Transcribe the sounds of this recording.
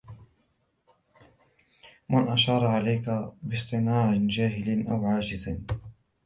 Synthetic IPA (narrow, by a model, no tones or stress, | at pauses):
manʔaʃɑːɾˤɑʕalajkabɪst̪ˤɨnɑːɾnd͡ʒaːɦɪlnʔawʕaːd͡ʒɪzɪn